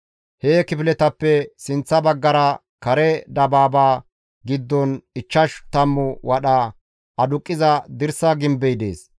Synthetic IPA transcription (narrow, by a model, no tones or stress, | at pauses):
heːkɪpɪlɛt̪ɐpːɛsɪnt͡sːɐbɐɡːɐɾɐ | kɐɾɛd̪ɐbaːbaː | ɡɪd̪ːɔnɪt͡ʃːɐʃt̪ɐmːʊwɐɗɐ | ɐd̪ʊkʼːɪzɐd̪ɪɾsɐɡɪmbɛjd̪ḛːs